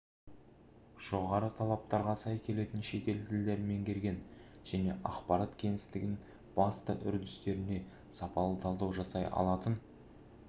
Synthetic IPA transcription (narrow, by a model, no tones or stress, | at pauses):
ʒ̥o̞ʁɑɾət̪ʰɑlˠɑp̚t̪ɑɾʁɑsɑjkʲʰe̞le̞t̪ɪnʃe̞t̪e̞lt̪ʰɪld̪e̞ɾɪme̞ŋkʲʰe̞ɾɡʲe̞n | ʒ̥æne̞̰ʔɑqpɑɾɑt̪kʲʰe̞ŋɪst̪ɪɡʲɪn | b̥ɑst̪ə̰ʔʏ̰ɾd̪ɪst̪e̞ɾɪne̞ | sɑpɑlˠət̪ʰɑlˠd̪ɑwʒɑsɑjʔɑ̰lˠɑt̪ən